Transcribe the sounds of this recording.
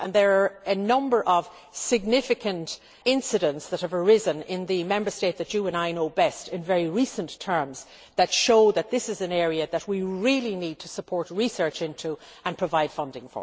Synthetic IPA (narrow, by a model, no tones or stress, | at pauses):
ʔə̃nðə˞ːɨnʌ̃mbə˞ʔʌv̥ | sɪɡ̚nɪfɨkʰɨ̃nt | ɪ̃nsɨɾə̃ntsðət̚həvə˞ɪzə̃nɪ̃nðɨmɛ̃mbə˞steɪt̪̚ðɨt͡ʃɨəɨ̃naɪnoʊbɛstɪ̃nvɛɹiɹisə̃ntʰɜ̃˞mz | ðɨtʃoʊðɨt̪̚ðɪsɨzɨ̃nɛɹiɨðət̚wiɹilˠinid̚tʰəsəpʰɔɹt̚ɹisɜ˞t͡ʃɪ̃ntʰuə̃npʰɹ̥ɨvaɪd̥fʌ̃ndɪ̃ŋfə̰